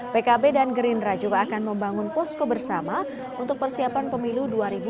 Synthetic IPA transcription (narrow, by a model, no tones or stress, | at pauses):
pekabedanɡɾindɾad͡ʒuɡaːkanməmbaŋʊnpɔskobərsama | unt̪ʊk̚pərsiapanpəmiluduaɾibu